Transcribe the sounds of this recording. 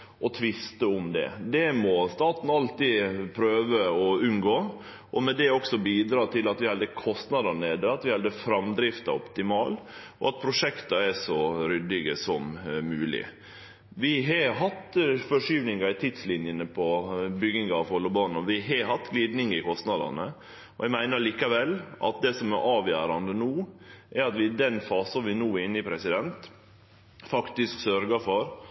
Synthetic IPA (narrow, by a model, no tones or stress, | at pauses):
ʔɔt̪ʰʋɪst̪əʊmd̪ɛ̰d̪ɛmɔst̪ɑːt̪n̩ɑlt̪iːpʰɾøːʋəɔʉnɡoː | ʔɔmɛd̪ɛɔksɔbiːd̪ɾɑːt̪ʰɪlɑt̪ʋɪhɑld̪əkʰɔst̪nɑd̪ɑneːd̪əɑt̪ʋɪhɑld̪əfɾɑmd̪ɾɪft̪ɑ̰ɔ̰pt̪ɪmɑːlʔɔ̰ɑt̪̚pʰɾʊʂɛkt̪ɑɛʂɔɾʏd̪ɪɡəsɔmːʉːlɪ̰ | ʋɪɦɑɦɑt̪fɔʂyːʋnɪŋɑɪt̪ʰɪd̪slɪnjənəpʰɔbʏɡɪŋɑʋhɔlːɔbɑːnɔʋɪɦɑhɑt̪ːɡliːd̪nɪŋɪkʰɔst̪nɑd̪ɑ̰nə | ɔʋæɪmæɪnəɾɭiːkɑʋɛlːʔɑ̰t̪d̪ɛsɔmɛɾʔɑːʋjæːɾɑnd̪ənuːʔɛɾɑt̪ʋɪd̪ɛnfɑːsɑʋɪnuːɪnːɪpʰɾɛsɪd̪ɛnt̪ | fɑkt̪ɪsksœɾɡəfɔɾ